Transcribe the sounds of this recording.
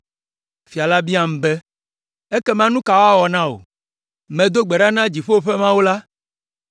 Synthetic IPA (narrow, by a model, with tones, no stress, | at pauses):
fi˨a˨la˦bi˦a˦m̩̃˨bɛ˦ | e˦kɛ˦mã˦nũ˦ka˨wa˦wɔ˨nã˦wo̰˨ | mɛ̃˨d̪o˦ɡ͡bɛ˨ɖa˦nã˦d͡ʑi˨ɸo˦o˦ɸɛ˦mã˦wo˦la˦